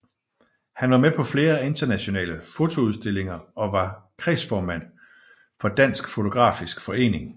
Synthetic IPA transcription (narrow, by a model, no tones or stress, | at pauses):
hænʋɑ̈mepʰɒ̽fle̝ːɐe̝nd̥ɐnæɕo̝nɛ̰ːləfo̝t͡sʰo̝uð̞ˠsd̥e̝le̝ŋɐɒ̽ʋɑ̈kʰʁɛsfɒːmæn̰ | fɒ̽d̥æn̰sɡ̥fo̝t͡sʰo̝ɡ̥ʁɑ̰̈ːfisɡ̥fɒ̽e̝̰ːne̝ŋ